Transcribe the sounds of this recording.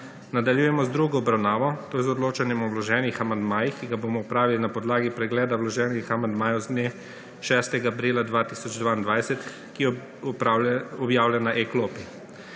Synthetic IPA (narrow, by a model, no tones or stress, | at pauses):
nad̪aljuːjɛmɔzd̪ɾuɡɔɔbɾawnaːʋɔt̪oːzɔd̪loːt͡ʃanjɛmɔwlɔʒɛːnixamand̪maːjixkiɡaboːmɔupɾaːʋilinapɔd̪laːɡipɾɛɡlɛːd̪awlɔʒɛːnixamand̪maːjɔwzne | ʃɛst̪ɛɡaːpɾiːlad̪ʋaːt̪iːsɔd͡ʒd̪ʋaːind̪ʋajsɛt̪ | ki | ɔbjaːwlʲjɛnaʔekloːpi